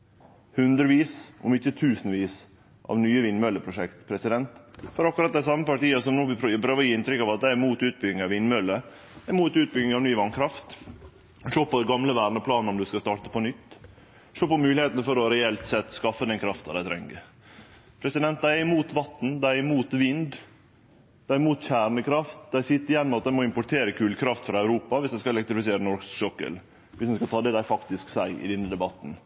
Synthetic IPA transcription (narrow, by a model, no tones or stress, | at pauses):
hʉnd̪ɾəʋiːsʔɔ̰mɪçːət̪ʰʉːsnʋiːs | ʔɑ̰ʋnyːəʋɪnːmœlːəpʰɾʊʂɛkt̪pʰɾɛsɪd̪ɛnt̪fɔɾɑkːʊɾɑt̪̚d̪æɪs̬ɑmːəpɑʈiːɑsɔmnuːʋɪɾɪpʰɾøːʋəjiːɪnt̪ɾʏkːɑʋɑt̪̚d̪æɪæɾmuːt̪ʉːt̪̚bʏɡɪŋɑʋɪnːmœlːə | d̪muːt̪ʉːt̪̚bʏɡɪŋɑʋnyːʋɑŋkʰɾɑft̪ | ʂoːpɔd̪ɛɡɑmləʋæːɾnɔpʰlɑːnɔmd̪ʉskɑst̪ɑːʈə̥pʰɔnʏt̪ː | ʂoːpɔmʉːlɪheːt̪nəfɔɾɔɾɛɛlt̪sɛt̪ːskɑfːəd̪ɛnkʰɾɑft̪ɑd̪æɪt̪ʰɾɛ̰ŋːə̰ɾ | pʰɾɛsɪd̪ɛnt̪̚d̪æɪmuːt̪ʋɑt̪ːn̩d̪æɪmuːt̪ʋɪnd̪ | d̪̥æɪmuːt̪çæːɾnəkʰɾɑft̪̚d̪æɪsɪt̪ːəɾjɛnːmɑt̪d̪æɪmɔɪmpʊʈʰeːɾəkʰʉːlkʰɾɑft̪fɾɑœʉɾuːpɑʋɪsd̪æɪskɑɛlɛkt̪ɾɪfɪseːɾənɔɾɡssɔkːə̰l | ʋɪsd̪ɛnskɑlt̪ʰɑːd̪ɛd̪æɪfɑkt̪ɪsksæɪɪ̰d̪ɛnːəd̪ɛbɑt̪ːn̩